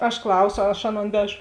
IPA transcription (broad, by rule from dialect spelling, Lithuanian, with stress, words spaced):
ɐʃ ˈklˠɐʊsoː ɐʃ ˈɑːˌnoːn ˈʋʲæːʒoː